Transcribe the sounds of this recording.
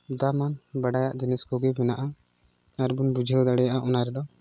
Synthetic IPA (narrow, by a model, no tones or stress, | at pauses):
d̪amanbaɖajaʔd͡ʒɛnɛskɔɡɛbɛnaʔa | aɾbunbud͡ʒʱɛɔd̪aɽɛjaʔaʔɔnaɾɛd̪ɔ